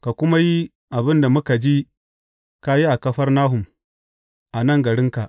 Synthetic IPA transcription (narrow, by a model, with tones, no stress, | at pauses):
ka˨kʷʊ˦ma˦ji˦ | ʔa˨bɪ˦nda˨mʊ˦ka˨d͡ʒi˦ | ka˦ji˦ʔa˨kɐ˦ɸɐ˦rnaː˦ɦʊ˨m | ʔa˨nɐ˦ŋɡɐ˨ɽɪ˦ŋka˨ʔ